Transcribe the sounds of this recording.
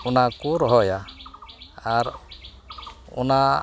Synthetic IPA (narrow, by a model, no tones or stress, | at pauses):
unakuɾɦɔja | aɾ | ṵna